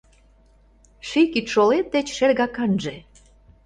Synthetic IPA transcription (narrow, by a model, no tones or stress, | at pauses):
ʃikit̪ʃolet̪̚d̪et͡ɕʃerɣɑkɑnʒĕ